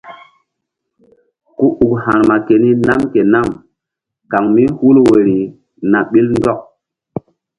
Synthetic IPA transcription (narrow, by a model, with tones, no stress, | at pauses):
ku˦ʔu˨khã˨ɾma˨ke˨ni˦na˦mke˨na˦˨m | ka˨ŋmi˦hu˦lwe˨ɾi˨ | na˨ɓi˦lndɔ˦k̚